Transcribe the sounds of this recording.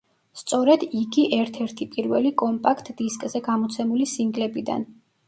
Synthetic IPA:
st̪sʼɔɾɛd̪iɡiʔɛɾt̪ʰɛɾt̪ʰipʼiɾvɛlikʼɔmpʼakʰt̪ʰʼd̪iskʼzɛɡamɔt̪sʰɛmulisiŋɡlɛbid̪a̰n

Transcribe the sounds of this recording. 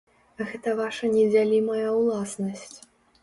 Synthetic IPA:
ɣɛt̪ɐvaʂɐnʲɛd͡zʲalʲimɐjɐwlˠasnɐsʲt͡sʲ

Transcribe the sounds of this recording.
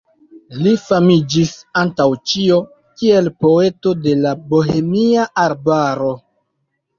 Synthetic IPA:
lifamid͡ʒisantawt͡ʃio̞ | kie̞lpo̞e̞to̞de̞labo̞ɦe̞miaʔaɾbaɾo̞

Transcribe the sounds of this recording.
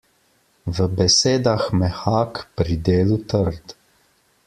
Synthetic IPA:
ʋəbɛseːd̪axmɛxaːkpɾid̪eːlut̪əɾd̪

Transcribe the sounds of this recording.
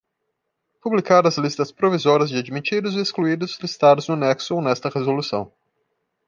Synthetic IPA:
publikaɾɐzlist̪ɐspɾovizɔɾɐzd͡ʒɪad͡ʒmit͡ʃid̪ʊzɪeskluid̪ʊzlist̪ad̪ʊznʊnɛksʊonɛst̪ɐhezolusɐ̰̃w̃

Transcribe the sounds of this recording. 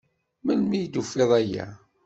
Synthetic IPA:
mənmijd̪ufeðˤæjæ̰

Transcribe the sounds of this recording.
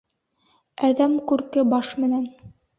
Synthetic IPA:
æðæmkʉɾkɘbɑʃmɘ̆næn

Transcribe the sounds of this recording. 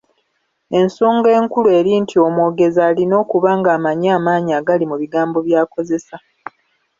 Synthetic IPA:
e̞nsoːŋɡe̞ːŋkulue̞ːɾiːntʰio̞mwoːɡe̞zaːlino̞ːkuβaːŋɡaːmaɲaːmaːɲiaɡalimuβiɡaːmbo̞βjaːko̞ze̞sa

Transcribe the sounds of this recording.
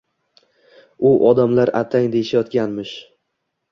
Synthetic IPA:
ʊʔɒd̪amlaɾa̰t̪ʰaŋd̪e̞jɪʃajɒt̪kʲanmɪʃ

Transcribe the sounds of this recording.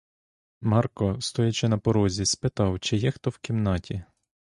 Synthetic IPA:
mɑrkɔst̪ɔjɐt͡ʃɪnɐpɔɾɔzʲispet̪ɑwt͡ʃɪjɛxt̪ɔwkʲimnɑtʲi

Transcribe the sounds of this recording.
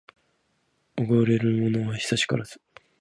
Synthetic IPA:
oɡoɾe̞ɾɯ̟mono̞βaɕi̥saɕi̥ka̰ɾazɨ̥

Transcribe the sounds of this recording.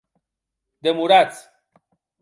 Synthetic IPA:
d̪emuɾat̪sʲ

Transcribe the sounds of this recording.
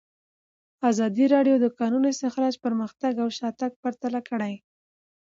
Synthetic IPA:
ɑzɑd̪iɾɑɖjod̪əkɑnunosəxalɑt͡ʃpəɾməxt̪aɡawʃɑt̪aɡ̚paɾt̪alakəɽaj

